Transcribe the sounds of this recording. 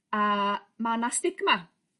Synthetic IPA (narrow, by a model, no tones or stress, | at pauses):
amanast̪ɪɡma